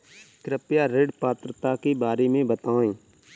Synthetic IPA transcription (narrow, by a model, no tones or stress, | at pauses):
kɾɪpjaɾeɖpaːt̪ɾət̪akebaːɾemẽbət̪aːẽː